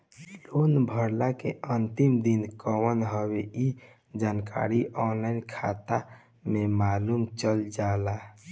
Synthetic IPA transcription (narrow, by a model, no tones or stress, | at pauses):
lonbʱəɾlakeʔənt̪imd̪inkəwənɦəbei | d͡ʒanka̰ɾiʔɔnlaɪnkʰa̰t̪a | memalumt͡ʃəld͡ʒala